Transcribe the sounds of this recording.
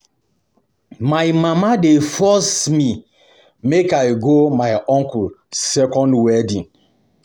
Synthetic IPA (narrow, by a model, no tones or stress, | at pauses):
maɪmamadefɔsmi | mekaɪɡomaɪʔɔ̃ŋkulsɛkɔ̃ndwɛdĩn